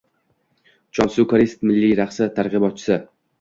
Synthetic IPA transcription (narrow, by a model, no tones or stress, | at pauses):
t͡ʃʰɒnsukaɾist̪mɪlːijɾaχsɪt̪ʰaɾʁɨbɒt̪̚t͡ʃʰɪ̥sɪ